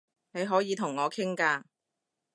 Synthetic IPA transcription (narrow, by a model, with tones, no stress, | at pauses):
ne˨˧jɦɔː˨˥jiː˨˧t̪ʰʊ˨˩ŋːɔː˨˧kʰɪ˥ŋkaː˧